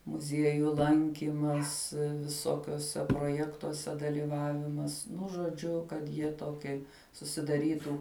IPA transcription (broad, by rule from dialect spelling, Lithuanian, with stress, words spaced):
mʊˈzʲiɛjʊ ˈlˠɐŋʲkʲiːmɐs ʋʲɪˈsoːkʲuɔsʲɛ proːˈjæːktuɔsʲɛ dɐlʲiːˈʋɑːʋʲɪmɐs nʊ ʒoːˈd͡ʒʲʊ kɐt ˈjiɛ ˈtoːkʲiɛ sʊsʲɪdɐˈrʲiːtʊ